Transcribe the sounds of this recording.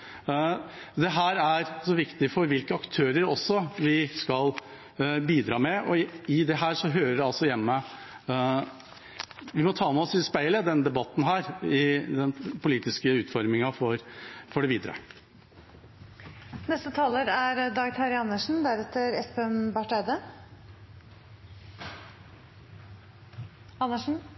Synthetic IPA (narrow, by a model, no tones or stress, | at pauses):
d̪ɛɦæːɾæɾsɔʋɪkt̪ɪfɔɾʋɪlkəɑkt̪ʰøːɾəɾɔsːɔʋɪskɑl | biːd̪ɾɑːmɛɔɪd̪ɛɦæːɾʂɔɦøːɾəɖɛɑlsɔjɛmːə | ʋɪmɔt̪ʰɑːmɛɔsɪspæɪləd̪ɛnd̪ɛbɑt̪ːn̩ɦæːɾɪd̪ɛnpʊliːt̪ɪskəʉːt̪fɔɾmɪŋɑfɔɾfɔɖɛʋiːd̪əɾə̰ | nɛst̪ət̪ʰɑːləɾæɾd̪ɑːɡt̪ʰæɾɪɑnːəʂn̩d̪æɾɛt̪ːəɾɛspɛmbɑʈæɪd̪ə | ɑnːəʂn̩